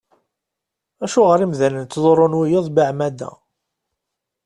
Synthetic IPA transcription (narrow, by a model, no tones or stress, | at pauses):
æʃuʁəɾimðænənt̪ːzˤoɾˤonwijɪðˤbiʕmæd̪æ̰